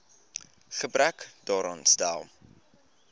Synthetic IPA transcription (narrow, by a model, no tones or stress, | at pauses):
χəbɾækdɑːɾɑːnstæ̰lˠ